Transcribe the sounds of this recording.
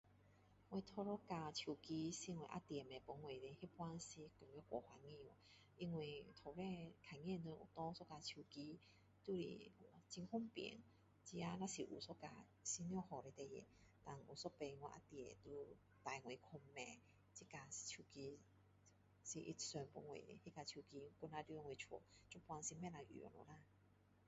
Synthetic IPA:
ŋwe˧t̪ʰɔ˧ɾɔ˦ka˧t͡ɕʰju˨˩ki˧si˧ŋwḛ˨ʔa̰˦t̪ɛ˨˩mẽ˨pɔ˨˦ŋwe˨˩le˧he˦pwa˦nsi˧kə˨˩jɔ˦kwɔ̰˨hwa˧ŋĩ˧˨wɔ˨˩ | i˧ŋwi˨˩t̪ʰɔ˨˩be˥˧˨kʰa˨˩ŋ˦ɛ̃˥˧˨nə˧˦ʔṵ˨t̪ɔ̃˦sɔ˦ka˧t͡ɕʰu˨˩ki˧ | t̪u˧˨ɾḭ˨t͡ɕi˧ŋhu˥˨ŋpjḭ˨˦ŋ | t͡ɕi˧˦a˦nã˦˧si˨ʔṵ˨˩sɔ˦ka̰˧˩ | si˧njɔ˥˧˨hɔ˨˩ɾe˧˦t̪e˨˩jḛ˨˦ | t̪a˨ŋu˨˩sɔ˦pe˧ŋwa˧ʔa̰˧˦t̪i˧˨e˨t̪u˧ | t̪a˨˩jŋwe˨˩kʰɔ˧mːẽ˨˩ | t͡ɕi˦ka˧i̥˨t͡ɕʰu˧ki˧ | si˨˧ʔḭ˧sɔ˧˩npu˧ŋwḛ˨he˦ka˧˩t͡ɕʰu˧ki˧ku˧˦na˧tu˧˦˧ŋwe˨˩t͡ɕʰɔ̰˨˩t͡ɕu˦pwa˧ŋsi˧mɛ̃˥˨na˧ʔy̰˨ɔ̰˨˩lɔ̰˨˦la˦˥˨

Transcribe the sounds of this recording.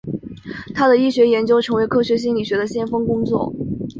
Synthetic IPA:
t̪ʰa˥d̪ə˨i˥˩ɕɥɛ˧˥jɛ˧˥nt͡ɕjo˥ʊʈ͡ʂʰɤ˧˥ŋwe˧˥ɪkʰɤ˥ɕɥɛ˧˥ɕ̬i˥ŋli˨˩ɕɥɛ˧˥d̪ə˧ɕjɛ˥˧nfɤ˥ŋkʊ˥ŋt͡swɔ̰˥˩

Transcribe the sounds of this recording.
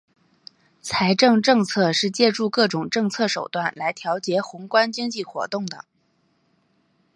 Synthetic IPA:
t͡sʰa˧˥ɪʈ͡ʂɤ˥˧ŋʈ͡ʂɤ˥˧ŋt͡sʰɤ˥˧ʂɻ̩˥˧t͡ɕjɛ˥˧ʈ͡ʂu˥˧kɤ˥˩ʈ͡ʂʊ˨˩ŋʈ͡ʂɤ˥˧ŋt͡sʰɤ˥˩ʂo˨˩ʊt̪wa˥˩nla˧˥ɪt̪ʰjɑ˧˥ʊt͡ɕjɛ˧˥xʊ˧˥ŋkwa˥nt͡ɕi˥ŋt͡ɕi˥˩xwɔ̰˧˥t̪ʊ˥˩ŋd̪ə̰˩

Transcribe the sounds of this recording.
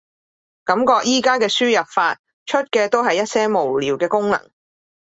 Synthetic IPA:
kɐ˨˥mkɔː˧k̚jiː˥kaː˥kɛː˧syː˥jɐ˨˩p̚faː˧t̚ | t͡ʃʰɵ˥t̚kɛː˧t̪o˥wɦɐ˨jɐ˥t̚sɛː˥mo˨˩wliː˨˩wkɛː˧kʊ˥ŋnɐ̰˨˩ŋ

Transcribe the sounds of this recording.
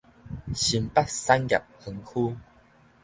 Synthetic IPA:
ɕi˨˩mpa˦t̚sa˦nɡʲja̰˨˩p̚hə˨˧ŋkʰu˦

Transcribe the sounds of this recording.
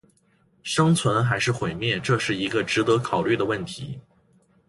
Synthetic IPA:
ʂɤ˥ŋt͡sʰwə˧˥nxa˧˥ɪʂɻ̩˥˩xwe˨˩ɪmjɛ˥˧ʈ͡ʂɤ˥˧ʂɻ̩˥˩i˧˥ɡə˧ʈ͡ʂɻ̩˧˥t̪ɤ˧˥kʰɑ˨˩ʊly˥˩d̪ə˩wə˥˩nt̪ʰḭ˧˥

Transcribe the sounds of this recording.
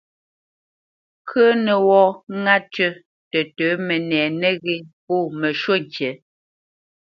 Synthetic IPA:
kʰə˦nə˨wɔ˦ŋa˦tə˦ | tə˨təː˨˦mə˨nɛː˨nə˦ɣe˦po˦˨mə˨ʃwo˦˨ŋ˨kjɛ˨˦

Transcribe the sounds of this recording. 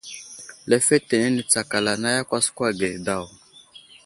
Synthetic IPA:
lɛ˨fɛ˦te˨ne˦ni˨t͡sa˨ka˨la˨na˦ja˦kʷa˦skwa˦ɡɛ˨da˦˨w

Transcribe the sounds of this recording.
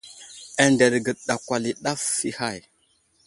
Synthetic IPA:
a˨nde˨ɾɡə˨ɗa˨kʷa˨li˨ɗa˦fːi˦ha˦˨j

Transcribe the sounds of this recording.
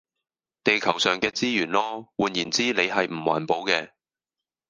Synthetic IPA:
t̪e˨jkʰɐ˨˩wsœː˨˩ŋkɛː˧t͡siː˥jyː˨˩nlɔː˥wuː˨njiː˨˩nt͡siː˥ne˨˧jɦɐ˨jm̩˨˩wa̰ː˨˩npo˨˧wkɛː˧

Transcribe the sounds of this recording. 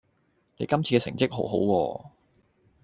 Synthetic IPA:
ne˨˧jkɐ˥mt͡sʰiː˧kɛː˧sɪ˨˩ŋt͡sɪ˥k̚ɦo˨˥wɦo˨˥wkɔː˧

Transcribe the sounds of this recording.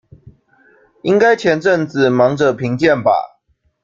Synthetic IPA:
i˦˥ŋka˦ɪt͡ɕʰjɛ˨˦nʈ͡ʂə˥˨ŋt͡s̩˨mɑ˨˦ŋʈ͡ʂə˨pʰi˨˦ŋt͡ɕjɛ˥˨nba̰˨˩

